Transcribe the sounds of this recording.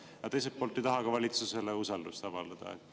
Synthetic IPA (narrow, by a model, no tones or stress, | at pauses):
jɑt̪e̞js̬et̪̚pːolt̪ːˑejt̪ɑɦɑkɑvɑlʲit̪suse̞leusɑld̪ust̪ɑvɑld̪ɑd̪̥ɑ̰